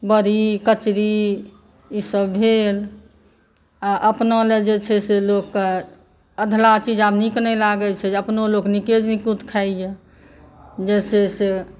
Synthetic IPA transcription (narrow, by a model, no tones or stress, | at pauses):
bəɾikət͡ʃɾi | isəbbʱel | aʔəpnəled͡ʒet͡ʃʰɛselokːe | əd̪ʱlat͡ʃid͡ʒabniknɛlaɡɛt͡ʃʰɛd͡ʒeəpnolokniked͡ʒnikut̪kʰaje | d͡ʒɛsese